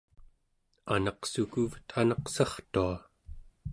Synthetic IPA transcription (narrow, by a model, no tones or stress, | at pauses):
anɑqsukuvt̪ʰanɑqsɑχt̪ua